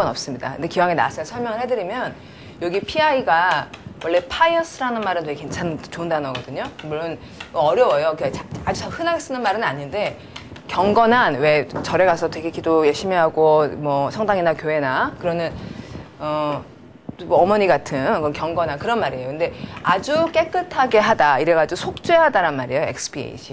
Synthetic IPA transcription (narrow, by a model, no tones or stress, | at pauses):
ʌnʌp̚s͈ɯmɲida̰kɯnde̞kiwaŋena̰s͈ʰɯɭsʰʌɭmjʌŋɯɭhe̞dɯɾimjʌn | jʌɡipʰiaiɡawʌɭːe̞pʰaiʌnsʰɯɾanɯnmaɾɯntweɡeke̞nt͡ɕʰant͡ɕoɯndanʌɡʌdɯɲomuɭːon | ʌɾjʌwʌjokat͡ɕaad͡ʑuahɯnaɡes͈ɯnɯnmaɾɯnaɲinde̞ | kjʌŋɡʌnanwe̞t͡ɕʌɾe̞ɡasʰʌtwe̞ɡekidojeɕ͈ʰimiɦaɡomwʌsʰʌŋdaŋinakjoɦe̞nakɯɾʌnɯn | ʌ | mʌmʌɲiɡatʰɯnkɯʌnkjʌŋɡʌnankɯɾʌnmaɾejokɯnde̞ad͡ʑuk͈e̞k͈ɯtʰaɡe̞ɦadaiɾeɡad͡ʑosʰok̚t͡ɕ͈weɦadaɾanmaɾejoe̞̰k̚sʰɯ̥biḛḭɕʰi